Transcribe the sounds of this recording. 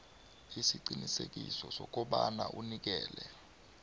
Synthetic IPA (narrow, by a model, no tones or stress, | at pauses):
isiǃinisek̬ʼisɔsɔk̬ʼɔɓanaʔunik̬ɛːlɛ